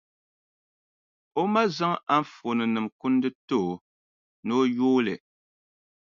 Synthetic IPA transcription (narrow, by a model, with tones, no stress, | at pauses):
o˦ma˦za˦ŋa˦m̩˦fo˨nɨ˨nɨ˨mku˦n˦dɨ˦to˦˨ | no˦joː˦lɨ˨